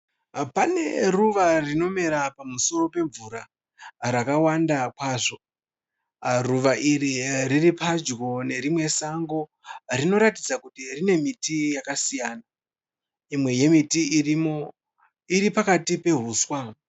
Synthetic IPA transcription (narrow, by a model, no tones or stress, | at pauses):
pane̞̰ruʋarino̞meɾapamuso̞ro̞pe̞ɱvuɾa | ɾakawandakwaːʐo̞ | ruʋaʔiɾiriripad͡ʒɡo̞ne̞ɾimwe̞saŋɡo̞ | rino̞ɾatid͡zakutirine̞mitijakasijaːna | imwe̞je̞mitiirimo̞ | iɾipakatipe̞ɦuːswa